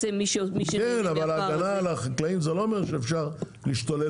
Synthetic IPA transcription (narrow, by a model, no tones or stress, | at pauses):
emiʃmiʃkenavalaːɡanalaχaklaimzelo̞omeʁʃeːfʃaʁ | liːʃt̪ole